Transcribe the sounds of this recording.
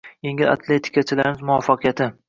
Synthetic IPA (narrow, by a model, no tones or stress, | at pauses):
jeŋɪla̰t̪ʰlet̪ʰɪ̥kʰʲat͡ʃʰɪlaɾɪmɪzmʊwɒfɑqʰɨjat̪ʰɪ